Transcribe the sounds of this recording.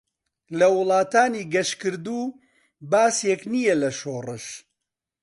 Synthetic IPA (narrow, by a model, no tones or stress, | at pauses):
lɐwʊlˠɑːt̪aːniːɡɐʃkɨɾd̪uː | baːseknijɛlɐʃoːrɨʃ